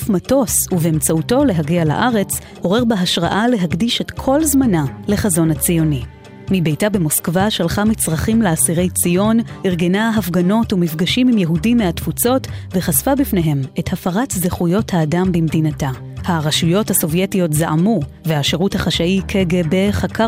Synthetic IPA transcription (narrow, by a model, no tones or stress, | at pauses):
fmato̞suveemt͡sauto̞le̞ɦaɡiala̰ʔaʁe̞t͡s | ho̞ʁe̞ʁbeɦaʃʁa̰ʔale̞ɦakdiʃe̞tkʰo̞lzmanale̞χazo̞nhat͡sijo̞ni | mibe̞jtabe̞moskvaʃalχamit͡sʁaχimleasiʁe̞jt͡sijo̞niʁɡe̞naɦafɡano̞tumifɡaʃimimjeɦudimeatfut͡so̞tve̞χasfabifne̞ɦe̞me̞thafaʁatzeχujo̞thaːdambimdinata | haʁaʃujo̞thaso̞vje̞tijo̞tzaʔamu | veaʃeʁuthaχaʃaikʰeɡebe̞χakʰa